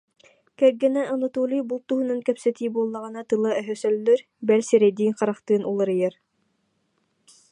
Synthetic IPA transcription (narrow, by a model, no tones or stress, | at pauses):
kɛɡɘ̆næʔanat̪ulʲijbulˠt̪uɦŭnankœpsɛt̪ibuɔlˠːɑʁɤ̆nɑt̪ɯlˠɑœɦœsœlːœɾ | bɛlʲsiɾɛjd̪iːŋqɑɾɑqt̪ɯːnʔulˠɤ̆ɾɯjɛɾ